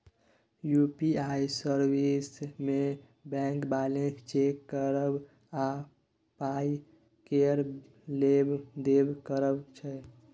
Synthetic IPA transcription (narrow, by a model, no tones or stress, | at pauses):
jupiaisəɾbisme | bɛ̃ŋkbalẽst͡ʃekːəɾəb | a | pai | keəɾ | lebd̪ebkəɾəbt͡ʃʰɛ